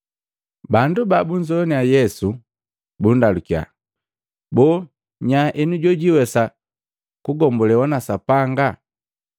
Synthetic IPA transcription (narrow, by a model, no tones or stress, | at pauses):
bandubabuɲd͡ʒɔniajɛsu | bundalukia̰ | bɔ | ɲaʔɛnuɟɔɟiwɛsa | kuɡɔmbɔlɛwanasapaŋɡa